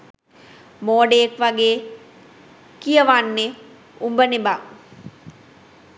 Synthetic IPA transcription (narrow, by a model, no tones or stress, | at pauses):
moːɖejekʋaɡeː | kijəʋanːe | umbəneba